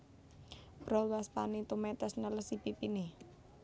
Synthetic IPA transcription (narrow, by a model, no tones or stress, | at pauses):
b̥ɾɔlwaspanit̪umɛt̪ɛsnələsipipini